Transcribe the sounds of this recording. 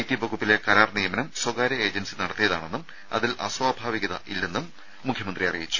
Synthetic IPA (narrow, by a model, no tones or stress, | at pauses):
ɐjtːibʱɐɡupːile̞kɐɾaːrnijɐmɐnɐmswɐɡaːɾɐe̞ːd͡ʑɐnsinɐɽɐt̪ːijɐða̰ːɳe̞nːum | ɐ̰ðilɐ̰swaːbʱaːʋiɣɐðɐilːe̞nːumː | ukʰjɐmɐnd̪rijɐrijit͡ɕːu̥